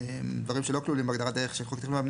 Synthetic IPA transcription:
emd̪vaʁimʃelo̞klulimbeaɡd̪aʁat̪̚deeχʃeχokt̪mamn

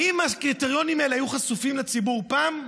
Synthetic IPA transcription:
ʔimakʁiteʁjo̞nimaelehajuχasufimlet͡sibuʁpaːm

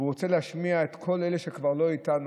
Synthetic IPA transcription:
uʁot͡selehaʃmiaet̪kʰo̞leleʃekvaʁlo̞itan

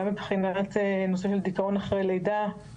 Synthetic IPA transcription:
amibχinaat̪enoseʃeld̪ikao̞naχʁejlejd̪a

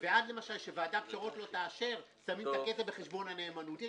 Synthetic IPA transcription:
veadle̞maʃalʃevaːdakʃaʁo̞t̪lo̞t̪aːʃe̞ʁ | samimt̪aketabeχeʃbo̞nhane̞ːmanut̪

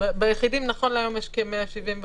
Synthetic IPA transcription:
bejeχidimnaχo̞nlajo̞mjeʃkemeaʃivimv

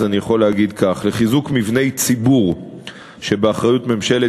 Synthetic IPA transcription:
zanijaχo̞leaɡid̪kaχleχizukmivne̞jt͡sibuʁ | ʃe̞beaχʁajutme̞mʃe̞le

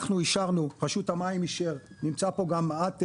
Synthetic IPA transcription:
χnuiʃaʁnupaʃut̪hamaimiʃeʁnimt͡sapo̞ɡamat̪

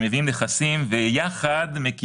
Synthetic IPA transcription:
meviimleχasimvejaχad̪meki

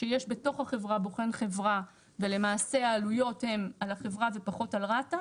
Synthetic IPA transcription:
ʃejeʃbe̞to̞χhaχe̞vʁaboχe̞nχe̞vʁa | ve̞le̞maːse̞aːlujo̞the̞malaχe̞vʁave̞paχo̞talʁata

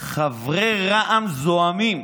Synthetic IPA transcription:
χavʁeʁaʔamzoamim

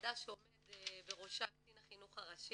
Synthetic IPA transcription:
daʃeomed̪ebeʁoʃaktinaχinuχaʁaʃi

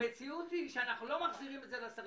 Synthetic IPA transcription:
met͡siut̪iʃeanaχnulomaχziʁimɛtzelasa

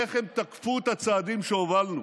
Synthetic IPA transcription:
eχemt̪akfut̪hat͡saːd̪imʃeovalnu

